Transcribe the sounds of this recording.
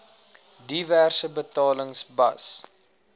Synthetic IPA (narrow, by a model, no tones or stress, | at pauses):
diværsəbətɑːləŋsbɐ̰s